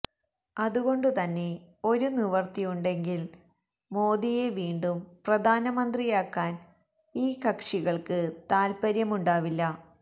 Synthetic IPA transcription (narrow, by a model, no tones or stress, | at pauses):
ɐðuɣo̞ɳɖɨt̪ɐnːe̞o̞ɾuniʋɐrt̪ijuɳɖe̞ŋɡil | mo̞ːd̪ije̞ʋiːɳɖumprɐd̪ʱaːnɐmɐnd̪rijaːkːaːn | iːkɐkʂiɣɐɭkɨt̪aːlpɐɾjɐmuɳɖaːʋilːɐ